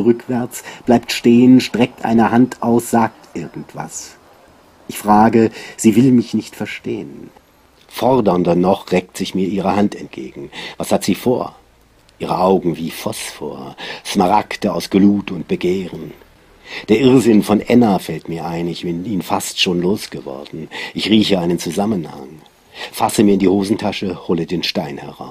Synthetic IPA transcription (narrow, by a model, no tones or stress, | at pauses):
ʁʏkv̥ɛɐt͡sb̥laɪp̚tʃteːənʃtʁ̥ɛk̚tʔa̰ɪnəhantʔaʊsz̥aːk̚tʔɪɐɡŋ̩tv̥a̰s | ʔɪçfʁ̥aːɡəz̥iːvɪlmɪçnɪçtfɛɐʃtḛːən | fɔʁdɐndɐnɔχʁɛk̚tz̥ɪçmiːɐʔiːʁ̞əhantɛnt̚ɡ̥ḛːɡŋ̩vashatz̥iːfoːɐ | ʔiːʁəʔaʊɡŋ̩viːfɔsfo̰ːɐʃmaʁaktəaʊsɡ̥luːtʊnt̚b̥əɡeːʁən | d̥eːɐʔɪʁzɪnfɔnʔɛnafɛltmiːɐʔaɪnɪçb̥ɪniːnəfastʃoːnloːsɡ̥əvɔ̰ɐdn̩ʔɪçʁiːçəʔaɪnənt͡suzamənha̰ŋ | fasəmiɐɪndiːhoːzn̩tʰaʃəhoːlədeːnʃtaɪnhɛ̰ʁa̰ʊs